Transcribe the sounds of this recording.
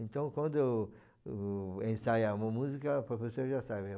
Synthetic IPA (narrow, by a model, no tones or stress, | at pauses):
ẽnt̪ɐ̃w̃kwɐ̃nd̪ʊ | ẽsajɐũmɐmuzikɐpɾofesoɐʒasaβe